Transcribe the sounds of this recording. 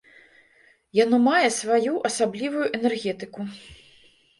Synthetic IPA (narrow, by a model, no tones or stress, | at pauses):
janɔmajɛsvajuʔɐsablʲivujuʔɛnɛrɣʲɛt̪ɨku